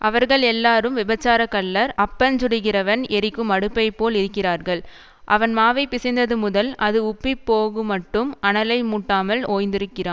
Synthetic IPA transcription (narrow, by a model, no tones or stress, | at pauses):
ʔɐʋɐɾɣɐɭɛlːaːɾɯmʋɪbɐt͡ʃːaːɾɐkːɐɭːɐɾɐpːɐnd͡ʒʊɽɪɣɪrɐʋɐnɛɾɪkːɯmɐɽɯpːɐɪpːoːlɪɾɯkːɪraːɾɣɐɭ | ʔɐʋɐnmaːʋɐɪpːɪsɪnd̪ɐðɯmʊðɐlʔɐðɯʊpːɪpːoːɣɯmɐʈːɯmɐɳɐlɐɪmuːʈːaːmɐlʔoːjnd̪ɪɾɯkːɪraːn